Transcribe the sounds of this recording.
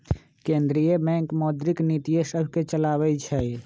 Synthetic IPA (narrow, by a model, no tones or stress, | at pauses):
kẽnd̪ɾijebɛ̃ŋkmɔːd̪ɾiknit̪ijesəbʱket͡ʃəlaːwɛt͡ʃʰɛ